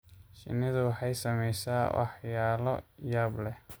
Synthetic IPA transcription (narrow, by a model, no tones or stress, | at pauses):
ʃɪ̰nːɪðʊwɑħɑjsɐmɛjsaːwɑ̰ħjaːlɔ̰jaːblɛ